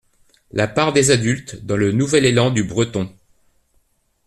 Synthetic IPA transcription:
lapaʁd̪ezad̪ylt̪d̪ɑ̃lənuvɛlelɑ̃d̪ybʁət̪ɔ̃

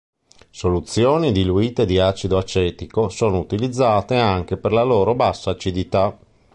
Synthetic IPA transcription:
solut̪sːjoːnid̪iluiːt̪ed̪iaːt͡ʃid̪oat͡ʃɛːt̪ikosoːnout̪ilid̪zːaːt̪eaŋk̟eperlaloːɾobasːaːt͡ʃid̪it̪a

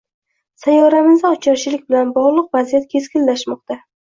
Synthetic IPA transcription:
sajɒɾamɪzd̪aɒt͡ʃʰɒɾʃʰɪlɪk̚ʲbɪlanbɒʁlˠʊqvazijat̪̚kʲʰe̞skʲɪnlaʃmɒq̚t̪a

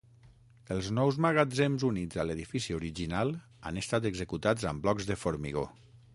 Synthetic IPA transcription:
əlˠznɔwzmaɣad͡zemzunid͡zaleðifisioɾiʒinalˠ | a̰nəst̪at̪əɡzəkut̪ad͡zəmblɔɡzðəfoɾmḭɣ̞o̰

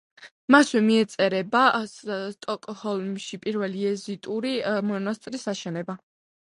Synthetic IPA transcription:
maswɛmiɛt̪sʼɛɾɛbast̪ʼɔkʼɔhɔlˠmʃipʼiɾvɛliɛzit̪ʼuɾimɔnast̪ʼɾisaʃɛnɛba

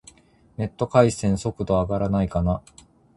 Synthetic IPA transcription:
ne̞t̪ːo̞kaisẽ̞ɰ̃so̞kɯ̟d̪o̞aɡaɾanaikana

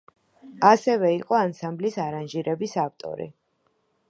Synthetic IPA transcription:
asɛvɛiqʼɔansamblisaɾanʒiɾɛbisaft̪ʼɔ̰ɾḭ

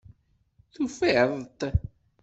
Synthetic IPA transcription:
θufeʕðˤt̪

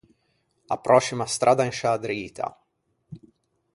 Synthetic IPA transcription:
a̰pɾʔɔʃimast̪ɾʔad̪aĩnʃad̪ɾiːt̪ʰa̰

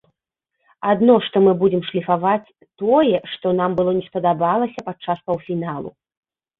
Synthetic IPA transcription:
ad̪nɔʂt̪ɔmɨbud͡zʲɛmʂlʲifavat͡sʲ | t̪ɔjɛʂt̪ɔn̪ambɨlˠɔnʲɛspɐd̪abalˠɐsʲɐpat͡ʂːaspɐwfʲinalˠṵ

